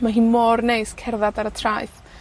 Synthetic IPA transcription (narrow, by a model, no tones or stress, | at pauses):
maɦiːnmɔrnejskʰɛrðadaɾətʰrajθ